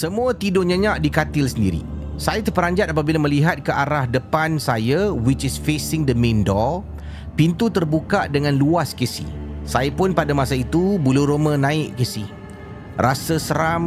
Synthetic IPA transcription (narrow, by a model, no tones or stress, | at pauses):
səmũat̪idoɲə̃ɲaʔdikat̪ɪlsəndḭɾḭ | sajat̪əpəɾaɲd͡ʒat̪̚apabilaməliɦat̪̚kəʔaɾahdəpansajawit͡ʃisfesɪŋdəmẽndɔ | pint̪ut̪ərbukaʔdəŋãnluaskisḭsajapʊnpadamasait̪ubuluɾomə̃nãɪʔkisih | rʔasəsəɾam